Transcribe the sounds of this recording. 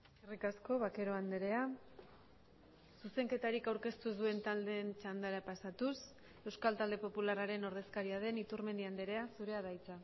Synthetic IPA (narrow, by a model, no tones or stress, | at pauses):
erikasko̞βake̞ɾo̞and̪eɾe̞a | suse̞ŋke̞t̪aɾikawɾke̞st̪uzðue̞nt̪ald̪e̞nt͡ʃand̪aɾapasat̪us | e̞wskalt̪ald̪e̞po̞pularaɾe̞no̞ɾðe̞skaɾiað̞e̞nit̪urme̞nd̪iand̪e̞ɾe̞asuɾe̞að̞ajt͡sa